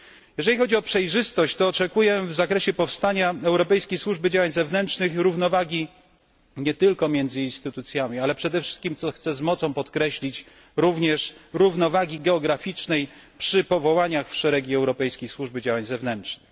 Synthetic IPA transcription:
jɛʐɛlʲixɔd͡ʑiɔpʂɛjʐɘst̪ɔɕt͡ɕt̪ɔːt͡ʂɛkujɛvzakɾɛɕɛpɔfst̪aɲaɛwɾɔpɛjskʲejswuʐbɘd͡ʑawaɲzɛvnɛntt͡ʂnɘxɾuvnɔvaɡʲi | ɲɛt̪ɘlkɔmʲjɛnd̪zɘĩnst̪ɘt̪ut̪sʲjamʲialɛpʂɛd̪ɛfʂɘ̥st̪̚kʲimt̪sɔxt̪sɛzmɔt̪sɔ̃w̃pɔt̪kɾɛɕlʲit͡ɕ | ɾuvɲɛʂɾuvnɔvaɡʲiɡɛɔɡɾafʲit͡ʂnɛj | pʂɘpɔvɔwaɲaxfʂɛɾɛɡʲiɛwɾɔpɛjskʲejswuʐbɘd͡ʑawaɲzɛvnɛntʂnɘx

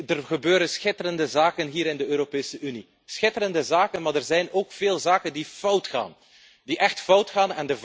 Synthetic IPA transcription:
dərɣəbøːɾənsxɪtəɾəndəzaːkənɦiːɾɪndəøːɾopeːsəʔyni | sxɪtəɾəndəzaːkənmaːɹdərzɛjnoːkfeːlˠzaːkəndifʌwtxa̰ːn | diʔɛxtfʌwtxaːnɛndəv

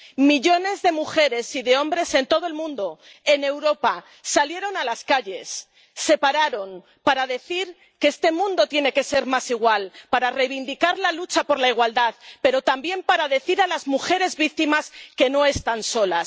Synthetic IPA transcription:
miʎo̞ne̞zðe̞muxe̞ɾe̞siðe̞o̞mbɾe̞se̞nt̪o̞ðo̞e̞lmũnd̪o̞ | e̞ne̞wɾo̞pa | salje̞ɾo̞nalaskaʎe̞sː | e̞paɾaɾo̞n | paɾaðe̞θiɾ | keest̪e̞mũnd̪o̞t̪je̞ne̞ke̞se̞ɾmasiɣwalpaɾare̞jβind̪ikaɾlalut͡ʃapo̞ɾlaiɣ̞wald̪aðpe̞ɾo̞t̪ambje̞mpaɾaðe̞θiɾalazmuxe̞ɾe̞zβik̚t̪imaske̞no̞e̞st̪anso̞las

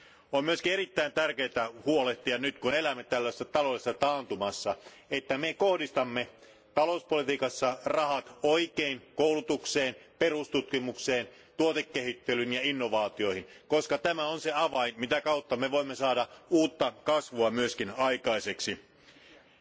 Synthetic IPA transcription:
ommyøskieɾit̪ːæint̪ærkeːt̪æhuoleht̪iɑnyt̪kunelæmːett̪ælːæsest̪æt̪ɑloest̪ɑt̪ɑːnt̪umɑsːɑ | et̪ːæmekohdist̪ɑmːe | t̪ɑlouspolit̪iːkɑsːɑrɑhɑt̪oikeinkoulut̪ukseːnperust̪ut̪kimukseːn | t̪uot̪ekːehit̪ːelynjɑinːoʋɑːt̪io̞ihinkoskɑt̪æmæonseɑʋɑinmit̪ækɑut̪ːɑmeʋoimːesɑːdɑuːt̪ːɑkɑsʋuɑmyøskinɑikɑiseksi

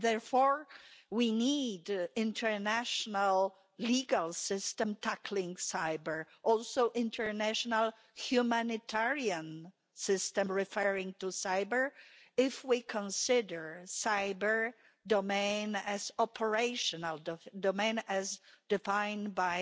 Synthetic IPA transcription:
ðɛɹfɔɹwinidɪ̃ntʰɛɹnæʃɔnal | liɡalsɪstɛ̃mtʰakʰlĩŋsaɪbə˞ʔɔlsoʊʔɪ̃ntʰəɹnæʃɔnal | hjumanitʰɛɹiãn | sɪstɛ̃mɹɪfɛɹɪ̃ŋtusaɪbə˞ | ɪfwikʰɔ̃nsɪdə˞saɪbə˞ | domẽɪnɛzɔpʰəɹeɪʃɔnalddomẽɪ̃nɛzdɨfãɪ̃nbaj

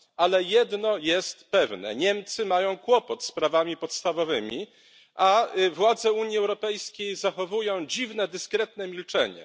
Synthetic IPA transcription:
alɛjɛd̪nɔjɛst̪pɛvnɛ̰ɲɛmt̪sɘmajɔ̃w̃kwɔpɔt̪spɾavamʲipɔt̪st̪avɔvɘmʲi | ʔavwad̪zɛuɲjiɛwɾɔpɛjskʲejzaxɔvujɔ̃w̃d͡ʑivnɛd̪ɘskɾɛt̪nɛmʲilt͡ʂɛɲɛ̰

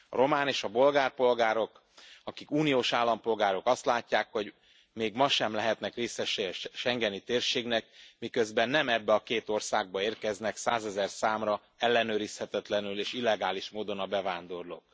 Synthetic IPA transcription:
ɒ̰ɾo̞maːneːʃɒbo̞lɡaːrpo̞lɡaːɾo̞k | ɒkikuːnijoːʃaːlːɒmpo̞lɡaːɾo̞kɒst̪laːcːaːkho̞ɟ | meːɡmɒʃɛmlɛɦɛt̪nɛkreːsɛʃɛjɛʃʃɛŋɡɛnit̪eːrʃeːɡnɛkmikøzbɛnːɛmɛbːɛɒkeːt̪o̞rsaːɡ̚bɒeːrkɛznɛksaːzɛzɛrsaːmrɒ | ɛlːɛnøːɾishɛt̪ɛt̪lɛnyleːʃilːɛɡaːliʃmoːd̪o̞nɒbɛvaːnd̪o̞rlo̰ːk

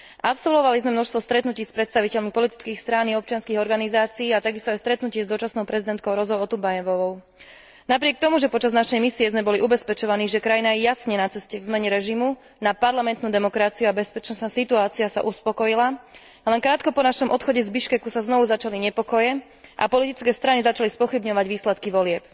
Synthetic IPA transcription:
ʔapsɔlɔʋalizmɛmnɔʃst̪ʋɔst̪ɾɛt̪nuciːspɾɛt̪st̪aʋicɛʎmipɔlit̪i̥t͡skiːxst̪ɾaniɔp̚t͡ʃɪanskiːɣɔɾɡanizaːt͡siːat̪aɡist̪ɔajst̪ɾɛt̪nucɪɛzd̪ɔt͡ʃasnɔʊpɾɛzid̪ɛnt̪kɔʊɾɔzɔlɔt̪ubajɛmɔʋɔʊ | nap̬ɾɪɛk̚t̪ɔmuʒɛpɔt͡ʃaznaʃɛjmisiɛzmɛbɔliʔubɛspɛt͡ʃɔʋaniːʒɛkɾajinajɛjasɲɛnat͡sɛscɛɡzmɛɲɛɾɛʒimu | napaɾlamɛnt̪nuːd̪ɛmɔkɾat͡siuabɛspɛt͡ʃnɔst̪nasit̪uaːt͡siasa̰ʔuspɔkɔjila | lɛnkɾaːt̪kɔpɔnaʃɔmʔɔt̪xɔɟɛzbiʃkɛkusaznɔʋuzat͡ʃaliɲɛpɔkɔjɛ | ʔa̰pɔlit̪it͡skɛːst̪ɾanizat͡ʃalispɔxibɲɔʋaɟʋiːslɛt̪kiʋɔlɪɛp

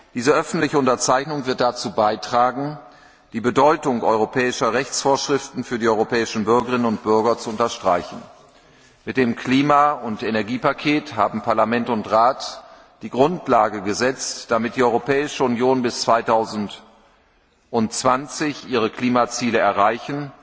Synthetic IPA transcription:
d̥iːzəʔœfn̩tlɪçəʊntɐt͡saɪçnʊŋv̥ɪɐt̚d̥at͡suːbaɪtʁ̥aːɡŋ̩ | d̥iːbədɔʏtʊŋʔɔʏʁopʰɛːɪʃɐʁɛçt͡sfoːɐʃʁ̥ɪftn̩fyːɐdiɔʏʁopʰɛːɪʃn̩bʏɐɡəʁɪnənʊnt̚b̥ʏɐɡɐt͡suʊntɐʃtʁ̥aɪçn̩ | mɪt̚d̥eːmkʰliːmaʊntenɛɐɡiːpakʰeːtɦaːbm̩pʰaɐlamɛntʊntʁaːt | d̥iːɡʁʊntlaːɡəɡəzɛt͡std̥amɪt̚d̥iːɔʏʁopʰɛːɪʃəʊnjoːnbɪst͡sv̥aɪtʰaʊzn̩t | ʔʊntt͡sv̥ant͡sɪçʔiːʁ̞əkʰl̥iːmat͡siːləɛɐʁaɪçn̩

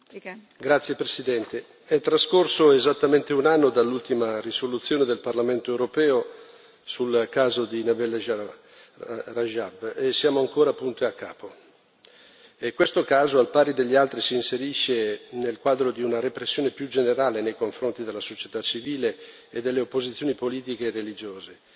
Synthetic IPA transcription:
ɡɾat̪sːjepɾesid̪ɛnt̪e | ɛt̪ːɾaskorsoezat̪ːament̪eunanːod̪alːult̪imarisolut̪sːjoːned̪elparlament̪oewɾopɛːo | sulkaːzod̪inabɛlː | raʒabesːjaːmoaŋkoːɾapunt̪eakːaːpo | eŋkwest̪okaːzoalpaːɾid̪elʎːialt̪ɾisiːnseɾiʃːenelkwaːd̪ɾod̪iunaɾepɾesːjoːnepjud͡ʒeneɾaːlenejkoɱfɾont̪id̪elːasot͡ʃet̪at͡ʃːiviːleː | d̪elːeopːozit̪sːjoːnipoliːt̪ikeːrelid͡ʒoːze

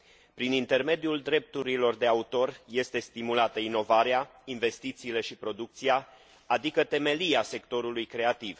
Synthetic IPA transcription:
pɾinint̪e̞rme̞d̪juld̪ɾe̞p̚t̪uɾilo̞rd̪e̞aut̪o̞rje̞st̪e̞st̪imulat̪əino̞vaɾeainve̞st̪it̪siːle̞ʃipɾo̞d̪ukt̪sia | ad̪ikət̪e̞me̞liase̞kt̪o̞ɾulujkɾe̞at̪iv̥

